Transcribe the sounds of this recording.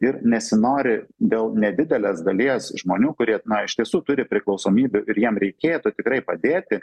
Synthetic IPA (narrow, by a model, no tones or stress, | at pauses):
ɪɾnʲɛsʲɪnoːɾʲɪd̪ʲeːlˠnʲɛd̪ʲɪd̪ʲɛlʲeːsɡɐlʲiɛsʒmoːnʲuːkʊɾʲiɛnɐɪʃt̪ʲiɛsuːt̪ʊɾʲɪpʲɾʲɪklˠɐʊsoːmʲiːbʲʊʔɪɾjiɛmɾʲɛɪkʲeːt̪ʊt̪ʲɪkɾɐɪpɐd̪ʲeːt̪ʲɪ